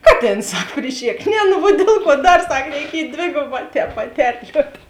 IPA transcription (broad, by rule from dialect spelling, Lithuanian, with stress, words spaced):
ˈkɑːˌtʲeːns ˈsɐk pʲrʲɪˈʃʲeːk ˈnʲɛ nʊ ʋuɔ ˈdʲiɛlˠ ˌkuɔ ˈdɐr ˈsɐk rʲɛɪˈkʲiɛj ˈdʲʋʲeːɡoːˌbɑː ˈtʲɛːp pɐˈtʲɛrʲlʲuɔt